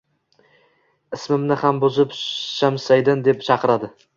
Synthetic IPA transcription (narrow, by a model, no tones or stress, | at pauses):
ɪsmɪmnɪhambʊzɪpʃamsajd̪ɪnd̪ep̚t͡ʃʰɑqʰɨɾad̪ɪ